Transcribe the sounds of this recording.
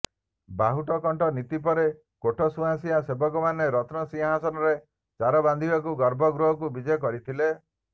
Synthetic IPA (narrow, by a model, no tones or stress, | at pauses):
baɦuʈɔkɔɳʈɔnit̪ipɔɾe | koʈʰɔsuãsiasebɔkɔmaneɾɔt̪nɔsĩɦasɔnɔɾe | t͡ʃaɾɔband̪ʱibakuɡɔɾbɔɡɾɔɦɔkubid͡ʒɔjɔkɔɾit̪ʰile